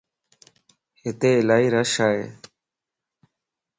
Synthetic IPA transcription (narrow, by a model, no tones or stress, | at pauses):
hɪt̪eːɪlaːiːɾəʃaːḛː